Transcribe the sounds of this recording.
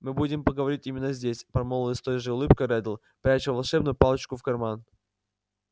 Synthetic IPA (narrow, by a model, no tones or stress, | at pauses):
mɨbudʲɪmpəɡəvɐɾʲitʲimʲɪnːəzʲdʲesʲpɐɾmolˠəɪst̪ojʐɨʊlˠɨpkəɾɛd̪lˠ | pɾʲæt͡ɕɪvɐlˠʂɛb̚nʊjʊpalˠət͡ɕkʊfkɐrman